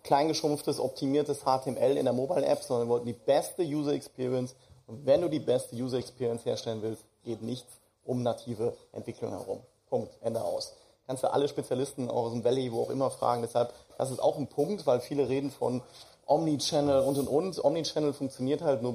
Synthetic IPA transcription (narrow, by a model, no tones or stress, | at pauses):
kʰl̥aɪnɡəʃʊmftəsʔɔ̰p̚tʰimiːɐtəshaːtʰemʔɛlɪ̰ndeːɐmoːbaɪlʔɛ̰pz̥ɔndɐnvɔltn̩diːbɛstəjuːzɐɛkspʰiːʁiɛns | ʔʊntvɛnduːdiːbɛstəjuːzɐɛkspiːʁiɛnsheːɐʃtɛlənvɪlstɡ̥eːtnɪçt͡s | ʔʊmnatʰiːvəʔɛ̰ntv̥ɪkʰlʊ̰ŋhɛ̰ʁ̞ʊ̰m | pʰʊŋk̚tʔɛndəʔa̰ʊs | kʰanstd̥ṵʔa̰ləʃpet͡sjalɪstn̩a̰ʊxʊsmvɛlivoːaʊxʔɪ̰mɐfʁ̥a̰ːɡŋ̩dɛshalpd̥a̰s̬ɪsta̰ʊxn̩pʰʊŋktv̥aɪlfiːləʁeːdn̩fɔ̰n | ʔɔmnit͡ʃɛnl̩ʊntʊntʔʊntʔɔmnit͡ʃɛnl̩fʊŋk̚t͡sjoniːɐthaltnuːɐ